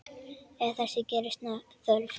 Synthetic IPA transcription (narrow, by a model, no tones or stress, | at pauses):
ɛɾθɛsːɪcɛːɾʏst̪naθœlf